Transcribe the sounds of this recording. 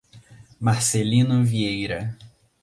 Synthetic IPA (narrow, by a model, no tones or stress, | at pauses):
maɾselĩnʊviejɾɐ